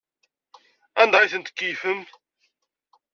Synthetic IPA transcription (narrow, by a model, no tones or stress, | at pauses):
ænd̪ɑiθənt̪ə̥kːijfəm